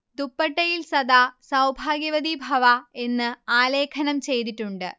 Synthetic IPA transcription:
d̪upːɐʈːɐjilsɐd̪aːsɐwbʱaːɡjɐʋɐd̪ibʱɐʋɐe̞nːɨaːle̞ːkʰɐnɐmt͡ɕe̞jt̪̬iʈːuɳɖɨ

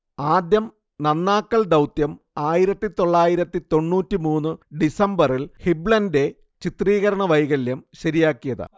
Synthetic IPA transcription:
aːd̪jɐm | nɐnːaːkːɐɭd̪ɐwt̪jɐm | aːjiɾɐt̪ːit̪o̞ɭːaːjiɾɐt̪ːit̪o̞ɳːuːtːimuːnːɨɖisɐmbɐrilhibɭɐnde̞ | t͡ɕit̪riːɣɐɾɐɳɐʋɐjɣɐljɐmɕɐɾijaːkːijɐðɨ̰

